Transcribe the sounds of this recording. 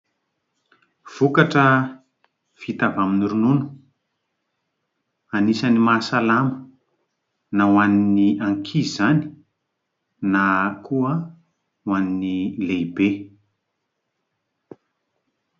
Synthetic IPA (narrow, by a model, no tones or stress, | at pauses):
v̥ukaʈ͡ʂə | v̥it̪avaminiɾununu̥ | anisənimasalamə̥ | nawaniiniʔaŋkʰizani̥ | nakʰuə | waninilejbe